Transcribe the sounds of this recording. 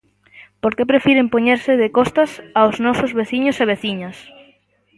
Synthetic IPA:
poɾkepɾefiɾempoɲeɾsɪðekɔst̪ɐsaoznɔsʊzβeθiɲʊseβ̞eθiɲɐs

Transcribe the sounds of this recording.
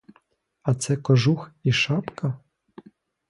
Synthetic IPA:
ɐt̪sɛkɔʒuxiʃɑpkɐ

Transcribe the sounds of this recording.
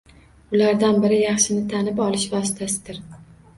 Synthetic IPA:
ʊlaɾd̪anbɪɾɪjɑχʃɪnɪt̪ʰanɪpɒlˠɪʃvɒsɪt̪ʰasɪd̪̥ɪɾ

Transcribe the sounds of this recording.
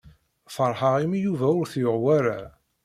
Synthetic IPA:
fəɾˤħəʁimijuvæʊɾθjʊʁwæɾa

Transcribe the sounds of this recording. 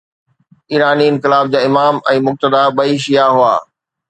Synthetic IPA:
iːɾaːniɪnkɪlaːb̚d͡ʑaːɪmaːmɛ̃ːmʊk̚t̪əd̪abɐiʃijaɦua̰ː

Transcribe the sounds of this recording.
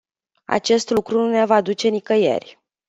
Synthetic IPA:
a̰t͡ʃe̞st̪lukɾununevad̪ut͡ʃe̞nikəjḛrʲ

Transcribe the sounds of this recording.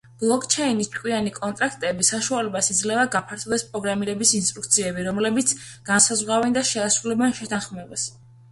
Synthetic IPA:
b̥lˠɔkʰt͡ʃʰɛinist͡ʃʰʼkʼwianikʼɔnt̪ʼɾakʰt̪ʼɛbisaʃualɛbasid̪zlɛvaɡapʰaɾt̪ʰɔvd̪ɛspʼɾɔɡɾamiɾɛbisinst̪ʼɾukt̪sʰiɛbiɾɔmlɛbit̪sʰɡ̥ansazʁwavɛnd̪aʃɛasɾulɛbɛnʃɛt̪ʰanχmɛbas

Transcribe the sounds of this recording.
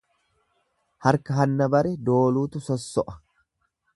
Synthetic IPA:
hɐɾkɐɦɐnːɐbɐɾɛd̪o̞ːluːt̪ʊsɔsːɔʔɐ̥

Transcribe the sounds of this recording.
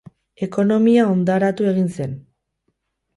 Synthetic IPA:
e̞ko̞no̞miao̞nd̪aɾat̪ue̞ɣ̞inse̞n

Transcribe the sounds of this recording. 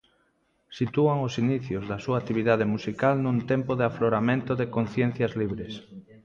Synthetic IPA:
sit̪uaŋosiniθjozðɐsuat̪iβ̞iðað̞emusikalnũnt̪empoðeafloɾamẽnt̪oðekon̟θjen̟θjɐzliβɾes

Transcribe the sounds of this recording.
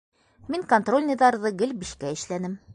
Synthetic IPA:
miŋkont̪ro̞lʲnʲɪðɑɾðɤɡɘlbiʃkæɘ̆ʃlænɘm

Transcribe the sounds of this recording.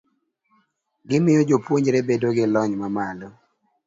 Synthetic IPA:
ɡɪmɪjɔd͡ʒopwoɲd͡ʒɾɛbedoɡɪlɔɲmamalɔ

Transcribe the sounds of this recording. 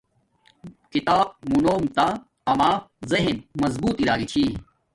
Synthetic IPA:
kit̪aːb̚munoːmt̪a | ɐmaːzɐɦinmɐzbuːt̪iɾaːɡit͡ɕʰi

